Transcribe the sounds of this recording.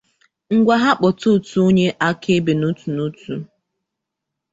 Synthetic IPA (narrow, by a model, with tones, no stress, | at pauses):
ŋ̩˦ɡʷa˨ɦa˦k͡pɔ˨tu˦˨tu˦o˦ɲe˦ʔa˦ke˦be˨nu˦tu˨nu˦tu˨